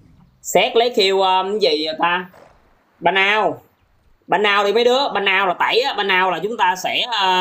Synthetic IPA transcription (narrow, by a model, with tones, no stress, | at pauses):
sɛ˦˥k̚lə˨˦jkʰi˧əwʔəː˧m˨˦zi˨˩t̪aː˧ | ɓa˧nʔaː˧w | ɓa˧nːaː˧wɗi˧ma˨˦jɗɨ˨˦əɓa˧nʔaː˧wlaː˨˩t̪a̰ː˧˩˨jaː˨˦ɓa˧nʔaː˧wlaː˨˩t͡ɕʊ˨˦ŋ͡mt̪aː˧sɛ˧˩əː˧˩